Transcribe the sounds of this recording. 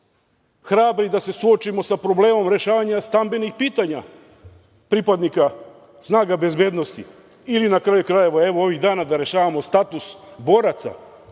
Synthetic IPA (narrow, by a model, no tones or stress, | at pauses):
xɾaːbɾid̪ase̞suo̞t͡ʃimo̞sapɾo̞ble̞ːmo̞mɾe̞ʃaːʋaɲast̪ambenixpiːt̪aɲa | pɾipad̪nika | snaːɡabe̞zbe̞ːd̪no̞st̪ḭ | ilinakɾajukɾaje̞ʋae̞ʋoo̞ʋiɣd̪aːnad̪aɾe̞ʃaːʋamo̞st̪at̪usbo̞ɾat̪sa̰